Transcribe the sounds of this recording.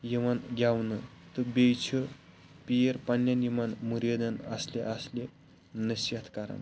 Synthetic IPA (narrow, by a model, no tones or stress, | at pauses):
jiʋanɡʱʲjawnət̪əbejt͡ɕʰə | pijeɾpanːjanimanmuɾjed̪ənaslḛʔaslʲe | nəsjat̪ʰkaɾə̰ɳ